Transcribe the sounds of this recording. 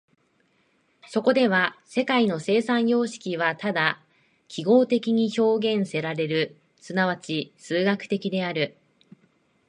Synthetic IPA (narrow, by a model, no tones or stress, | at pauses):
so̞ko̞d̪e̞βase̞kaino̞se̞ːsãɰ̃jo̞ːɕi̥kʲiβ̞at̪ad̪a | kʲʰiɡo̞ːt̪e̞kʲiɲ̟iço̞ːɡẽ̞ɰ̃se̞ɾaɾe̞ɾɯ̟ | sɨnaβ̞at͡ɕisɨːɡakɯ̟̥t̪e̞kʲid̪e̞aɾɯ̟